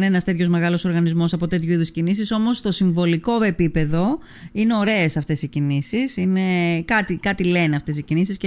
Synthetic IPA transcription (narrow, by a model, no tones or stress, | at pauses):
nenɐst̪e̞t̪ço̞zme̞ɣɐlo̞so̞ɾɣɐnizmo̞sɐpo̞t̪e̞t̪çuiðuscinisiso̞mo̞st̪o̞siɱvo̞liko̞e̞pipe̞ðo̞ | ine̞o̞ɾe̞esɐft̪e̞sicinisisine̞kɐt̪ikɐt̪ile̞neɐft̪e̞sicinisisce